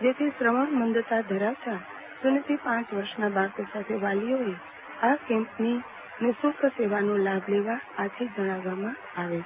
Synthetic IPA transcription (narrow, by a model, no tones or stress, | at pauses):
d͡ʒet̪ʰisɾəməɳmənd̪ət̪ad̪ʱəɾaʋt̪a | sʊnət̪ipãt͡ʃʋəɾʃnabaɾt̪osat̪ʰeʋalijoe | akɛ̃mpni | nɪsʊkʰseʋanõlabʱleʋaːt̪ʰid͡ʒəɽ̃aʋːamã | aʋe